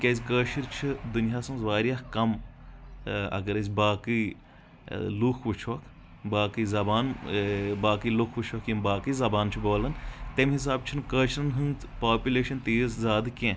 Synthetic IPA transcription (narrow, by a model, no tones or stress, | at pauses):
kʲezʲkəːʃiɾt͡ʃʰid̪unjaːsɐŋzʋaːɾijahkɐm | ɐ̰ɡɐɾɐzʲbaːki | lukʰʋut͡ʃʰʋɐkʰ | baːkizɐbaːn | baːkilukʰʋut͡ʃʰʋɐkʰjimbaːkiːzɐbaːnt͡ʃʰiboːlɐnt̪emɦis̬aːb̚t͡ʃʰinkəːʃɾɐnɦɨnz | paːpʲuleːʃɐnt̪iːszaːd̪kʲẽ